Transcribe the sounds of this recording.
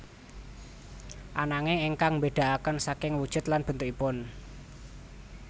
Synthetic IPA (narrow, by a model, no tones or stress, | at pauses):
ʔanaŋɪŋeŋkaŋmbeɖ̪̥a̤ʔakənsakɪŋwud̥ʒ̥ʊ̤t̪lanb̥ə̤nt̪ʊkipʊn